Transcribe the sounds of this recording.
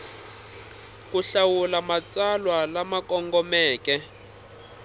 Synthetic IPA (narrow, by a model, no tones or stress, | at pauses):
kuɬawulamat͡salwalamakɔŋɡɔmɛːkɛ